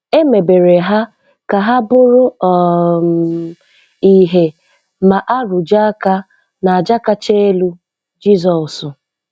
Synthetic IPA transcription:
e˦me˨be˨ɾe˨ɦa˦ | ka˨ɦa˦bʊ˦ɾʊ˦ɔ˨ | i˦ɦe˦ | ma˨ʔa˦ɾʊ˨d͡ʒa˦ka˦ | na˨a˨d͡ʒa˦ka˦t͡ʃe˦e˦lu˦ | d͡ʒi˦zɔ˨sʊ˨

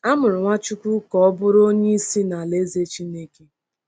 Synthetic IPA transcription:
a˦mʊ˨ɾʊ˨ŋʷa˦t͡ʃu˦kʷu˦kɔ˦ɔ˦bʊ˦ɾo˦ɲe˦i˦si˦na˨le˦ze˦t͡ʃi˦ne˦ke˦

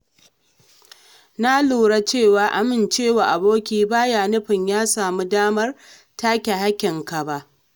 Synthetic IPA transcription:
na˦luː˨ɽa˦t͡ʃeː˦˨waː˨ʔa˨mɪ˨nt͡ʃeː˦˨waː˨ʔa˨boː˦kʲiː˦baː˦jaː˨nʊ˦ɸɪ˨ɲjaː˦saː˨mu˦daː˦mɐ˦r | taː˦kʲe˨ha˦kʲɪ˨ŋka˨ba˦ʔ

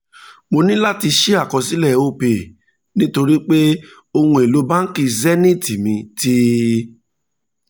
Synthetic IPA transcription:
mo˧nĩ˦la˦˨ti˧ʃi˦a˦˨kɔ˨si˨˦lɛ˦˨o˦˨pe˨ | nĩ˦to˧ɾi˦k͡pe˦ | o˧hũ˧˨e˨lo˨˦ba˦n̩˦ki˧zɛ˦nĩ˦˨ti˨mĩ˧ti˦

